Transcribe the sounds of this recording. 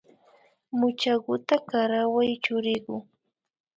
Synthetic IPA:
mʊt͡ʃaɢʊt̪akaɾawajt͡ʃʊɾɪɢʊ

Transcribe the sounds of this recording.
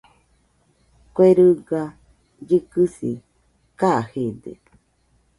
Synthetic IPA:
kweɾɨɡa | d͡ʒɨkɨsḭ | kahed̪ḛ

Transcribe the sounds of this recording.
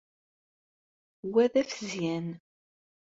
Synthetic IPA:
wæðæfəzjæn

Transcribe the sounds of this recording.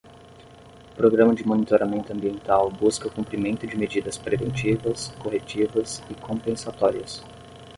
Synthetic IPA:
ʊpɾoɡɾɐ̃mɐd͡ʒɪmonit̪oɾamẽnt̪ʊɐ̃mbiẽnt̪awbuskɐʊkũmpɾimẽnt̪ʊd͡ʒɪmed͡ʒid̪ɐspɾevḛ̃nt͡ʃivɐskoɦet͡ʃivɐsɪkʰõmpẽsat̪ɔɾiɐs

